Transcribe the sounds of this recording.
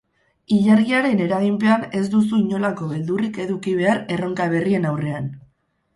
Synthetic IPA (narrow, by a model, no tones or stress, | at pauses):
iʎaɾɣiaɾe̞ne̞ɾaɣimpe̞ane̞zd̪us̬uiɲo̞lako̞βeld̪urike̞ðukiβ̞e̞aɾe̞ro̞ŋkaβ̞e̞rie̞nawre̞an